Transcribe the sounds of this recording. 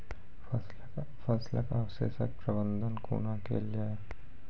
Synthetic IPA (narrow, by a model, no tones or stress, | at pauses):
fɐslə̰kaʋsḛsə̰k̚pɾəbə̃nd̪ʱənkṵːnakḛld͡ʒaːe